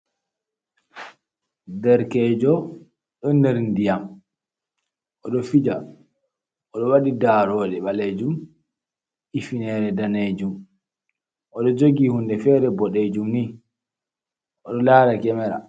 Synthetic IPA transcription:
dɛɾkɛːd͡ʒɔ | ɗɔndɛɾndijam | ʔɔɗɔfid͡ʒa | ʔɔɗɔwaɗidaːɾɔːɗɛɓaled͡ʒum | ifinɛɾɛdaned͡ʒum | ʔɔɗɔd͡ʒoɡiːhundɛfɛɾɛbɔɗed͡ʒumni | ʔɔɗɔlaɾakɛmɛɾa̰

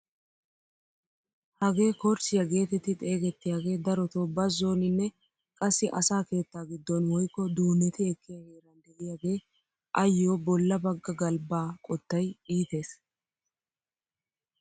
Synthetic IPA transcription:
hɐɡe̞ːkɔɾt͡ʃɪjɐɡe̞ːt̪ɛt̪ɪt̪ʼe̞ːɡɛt̪ːɪjaːɡe̞ːd̪ɐɾɔt̪oːbɐzːo̞ːnɪnːɛ | kʼɐsːɪʔɐsaːke̞ːt̪ːaːɡɪd̪ːɔnwɔjkːɔd̪uːnɛt̪ɪɛkːɪjɐheːɾɐnd̪ɛʔɪjaːɡe̞ː | ʔɐjːoːbɔlːɐbɐɡːɐɡɐlbaːkʼɔt̪ːɐjiːt̪e̞ːs

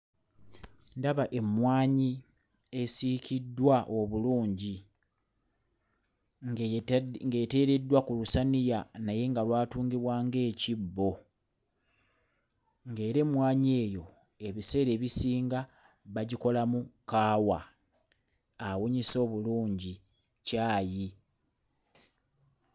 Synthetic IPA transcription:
ndaβaʔe̞mwaːɲi | e̞sicidːwaʔo̞βuluːɲɟi | ŋɡete̞ːɾe̞dːwakulusanijanaje̞ŋɡalwaːtuːŋɡiβwaːŋɡe̞ːcibːo̞ | ŋɡe̞ːɾe̞mwaːɲe̞ːjo̞ | e̞βise̞ːɾe̞ːβisiːŋɡa | βaɟiko̞lamukaːwa | awoɲiso̞ːβuluːɲɟi | caːji

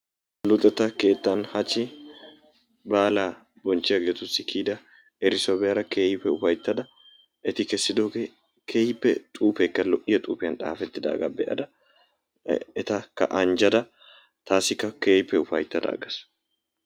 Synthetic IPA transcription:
lʊt̪ʼːɛt̪ːɐke̞ːt̪ːɐnhɐt͡ʃːɪ | baːlaː | bɔnt͡ʃːɪjɐɡeːt̪ʊsːɪkʰiːd̪ɐ | ɛɾɪsɔbɛɐɾɐkeːjpɛʊfɐjt̪ːɐd̪ɐ | ʔɛt̪ɪkɛsːɪd̪oːɡe | kʰeːjpːɛt̪ʼuːfɛkːɐlɔʔɪjɐt̪ʼuːpɪjɐnᶑ̪a̰ːfɛt̪ːɪd̪a̰ːɡɐ̰bɛ̰ʔɐ̰d̪ɐ | ɛt̪ɐkːɐ̰ʔɐnd͡ʒɐd̪ɐ | t̪ʰaːsɪkːɐkeːjpːɛʊfɐ̰jt̪ːɐd̪ɐ̰ːɡɐs

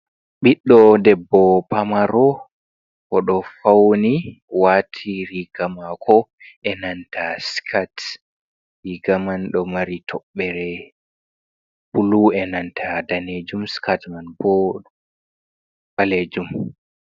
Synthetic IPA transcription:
ɓiɗːɔdɛbːɔpamaɾɔ | kɔɗɔfawni | waːtʰiɾiɡ̥amakʰɔʔɛnantʰaskʰat | ɾiɡamanɗɔmaɾitʰɔɓːɛɾɛ | puluɛnantʰadaned͡ʒumskatmanbɔ | ɓaled͡ʒum

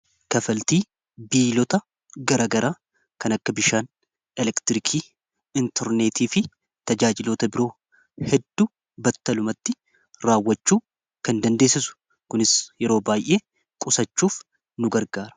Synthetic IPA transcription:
kɐfɐlt̪iː | biːlɔt̪ɐ | ɡɐɾɐɡɐɾʔaː | kɐnɐkːɐbɪʃaːn | ɛlɛkt̪ɪɾɪkʰiː | ɪnt̪ʰɛɾneːt̪ʰiːfɪ | t̪ɐd͡ʒaːd͡ʒɪloːt̪ɐbɪɾo̞ː | hɛd̪ːu | bɐt̪ːɐlʊmɐt̪ːɪ | ɾaːwːɐt͡ʃːuː | kɐnd̪ɐnd̪e̞ːsɪsʊ̥ | kʊnɪsjɛɾo̞ːbaːjʔe̞ː | kʼʊsɐt͡ʃːuːf | nʊɡɐɾɡaːɾɐ̥

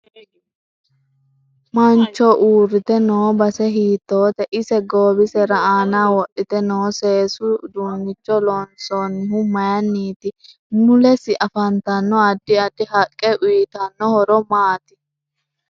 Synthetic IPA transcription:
mɐnt͡ʃːɔʔuːrːɪt̪ɛnoːbɐsɛɦiːt̪ːo̞ːt̪ɛʔɪsɛɡoːbɪsɛɾɐaːnaːwɔʔːɪt̪ɛnoːseːsʊd̪uːnːɪt͡ʃːɔlɔnsɔnːɪhʊmɐjɐnːiːt̪ɪ | mʊlɛsɪʔɐfɐnt̪ɐnːɔɐd̪ːɪɐd̪ːɪɦɐkʼːɛʔʊjɪt̪ɐnːɔhɔɾɔmaːt̪ɪ

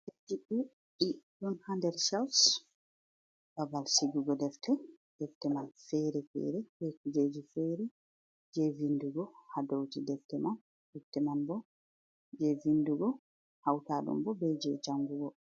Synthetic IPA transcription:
tetːiɗu | ʔiɗɔnhandɛɾsɛls | b̥abalsiɡuɡɔdɛftɛ | d̥ɛftːɛmanfɛɾɛfɛ̰ɾɛbɛkud͡ʒed͡ʒifɛɾɛ | d͡ʒɛvinduɡɔhadowtidɛftɛman | dɛftːɛmanbɔ | d͡ʒɛvinduɡɔ | hawtaɗṵmbɔbɛd͡ʒɛd͡ʒaŋɡuɡɔ

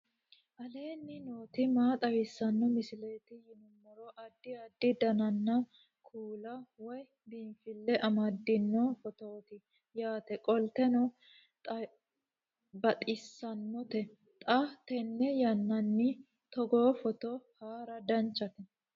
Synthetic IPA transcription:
ʔɐle̞ːnːɪno̞ːt̪ɪmaːt̪ʼɐwɪsːɐnːɔmɪsɪleːt̪ɪjɪnʊmːɔɾoʔɐd̪ːɪɐd̪ːɪd̪ɐnɐnːɐ | kʰuːlɐwɔj | binfɪlːɛʔɐmɐd̪ːɪnːɔfɔt̪oːt̪ɪ | jaːt̪ɛkʼɔlt̪ɛnɔ | t̪ʼɐ | bɐt̪ʼɪsːɐnːɔt̪ɛ | t̪ʼɐt̪ɛnːɛjɐnːɐnːɪ | t̪ɔɡoːfɔt̪ɔhaːɾɐd̪ɐnt͡ʃːɐt̪ɛ

